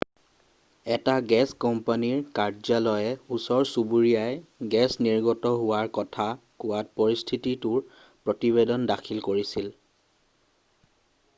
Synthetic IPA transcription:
ɛtaɡɛskɔmpaniɹkaɹzalɔjɛusɔɹsubuɹijajɛɡɛsniɹɡɔtɔɦʊwaɹkɔtʰa | kʊwat̚pɔɹistʰititʊɹ | pɹɔtiβedɔndakʰilkoɹisil

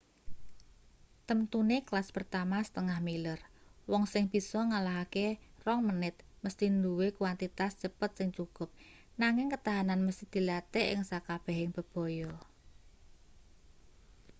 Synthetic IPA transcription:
t̪əmt̪uneklaspərt̪amasə̥t̪əŋahmilərwɔŋsɪŋb̥i̤sɔŋalaɦakerɔŋmənɪt̪̚ | məst̪ind̪uwekuwant̪it̪ast͡ʃəpət̪̚sɪŋt͡ʃukʊp̚ | naŋɪŋkət̪aɦananməst̪id̪̥i̤lat̪eʔɪ̰ŋsakab̥ɛɦɪŋb̥ə̤b̥ɔ̤jɔ

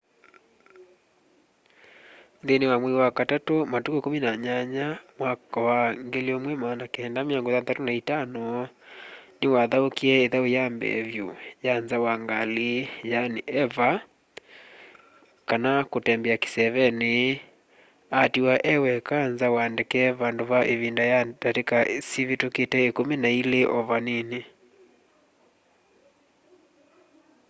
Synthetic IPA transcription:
ðenewamweiwakatatomatukokominaɲaɲamwakawaŋɡeliomwɛmanakehɛndamiɔŋɡoðatatonaitanɔ | newaðaokiɛeðaojambɛ̰βjṵjanzawaŋɡalijaneʔɛva | kanakotɛmbeake̥sɛβɛne | atiwaʔɛwɛkanzawandekɛβandoβaʔeβindajataɾekasiβetoketɛekomenaileʔɔβanene

